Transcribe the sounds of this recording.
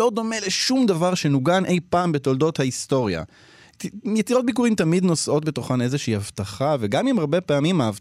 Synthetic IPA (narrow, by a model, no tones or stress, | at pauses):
o̞d̪o̞me̞le̞ʃumd̪avaʁʃe̞nuɡanʔe̞jpaːmbet̪o̞ldo̞t̪haisto̞ʁja̰ | jet͡siʁo̞t̚bikuʁimt̪amid̪no̞sʔo̞t̪̚bet̪o̞χane̞zeʃiːhavt̪aχaveɡamimaʁbe̞peamimaav